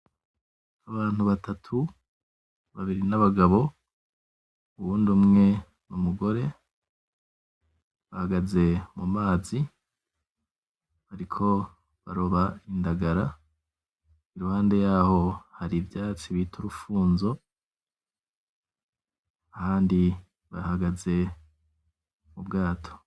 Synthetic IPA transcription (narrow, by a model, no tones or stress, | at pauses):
aβaːn̥huβatʰatʰu | βaβiɾinaβaɡaβo̞ | uβuːndumŋe̞ | numuɡo̞ɾe̞ | βahaɡaze̞mumaːzi | βaɾikʰo̞ | βa̰ɾo̞βaindaɡaɾa | iɾuhaːnde̞jaːho̞haɾibjaːt͡siβitʰuɾufuːnzo̞ | ahaːndi | βa̰haɡaze̞ | mubɡaːtʰo